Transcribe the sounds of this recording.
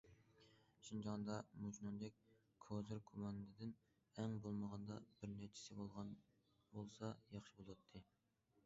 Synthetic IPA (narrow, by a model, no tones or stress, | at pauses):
ʃind͡ʒɑŋnd̪ɑmut͡ʃnund̪ɛk̚ʲ | kʰozɨɾkʰumɑnɨd̪ɨd̪ɪn | ɛŋbolˠməʁɑnd̪ɑbɪɾnæt͡ʃʰi̥sɪbolˠʁɑn | bolˠsɑjɑχʃibolˠwɑt̪ʰːɨ